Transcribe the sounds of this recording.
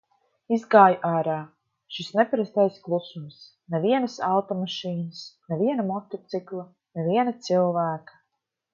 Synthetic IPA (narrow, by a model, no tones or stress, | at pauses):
izɡaːjʔaːɾaː | ʃisnɛpaɾast̪ajsklˠusums | nɛviɛnasalt̪ɔmaʃiːnəsneviɛnamɔt̪ɔt̪siklˠa | nɛviɛnat̪silˠvæːkḁ